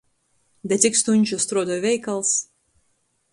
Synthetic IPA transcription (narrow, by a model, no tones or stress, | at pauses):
d̪ʲɛt̪ʲɪkst̪unʲt͡ʃʲust̪ɾuɔd̪ɔːvʲɛjkɐlˠs